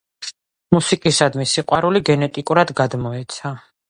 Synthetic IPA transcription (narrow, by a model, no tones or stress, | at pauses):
musikʼisad̪misiqʼwaɾuliɡɛnɛt̪ʼikʼuɾad̪ɡad̪mɔɛt̪sʰa